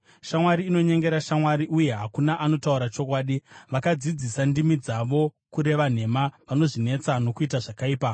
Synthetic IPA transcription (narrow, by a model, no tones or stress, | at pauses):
ʃamwaɾiːno̞ɲe̞ŋɡe̞ɾaʃamwaɾiʔuje̞ɦakunaʔano̞tauɾat͡ʃo̞kwaːɗiʋakad͡zid͡zisandimid͡zaʋo̞ | kuɾe̞ʋan̤e̞maʋano̞ʐine̞t͡sano̞kuitaʐakaiːpa